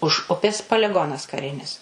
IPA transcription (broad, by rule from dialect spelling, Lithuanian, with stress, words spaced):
ʊʃ ˈʊpʲeːs pɐlʲɪˈɡoːnɐs kɐˈrʲɪnʲɪs